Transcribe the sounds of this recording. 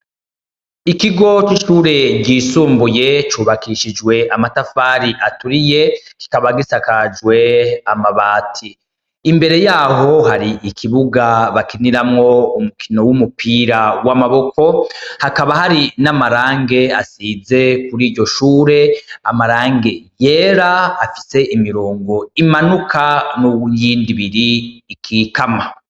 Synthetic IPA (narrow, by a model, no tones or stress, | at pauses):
ikiɡo̞t͡ʃiʃuːɾe̞ɟiːsuːmbuje̞t͡ʃuːβakiːʃid͡ʒwe̞amatafaːɾiʔatuɾije̞ki̥kaβaɡisakad͡ʒwe̞amaβaːtʰiː | mbe̞ɾe̞jaːɦo̞haɾiikʰiβuɡaβakiniɾamŋo̞umukʰino̞wumupiːɾawamaβo̞kʰo̞hakaβahaɾinamaɾaːŋɡe̞asize̞kuɾiːɾɟo̞ʃuːɾe̞amaɾaːŋɡe̞je̞ːɾaːfi̥se̞ʔimiɾoːŋɡo̞imanukʰanujiːndiβiɾiːkʰiːkama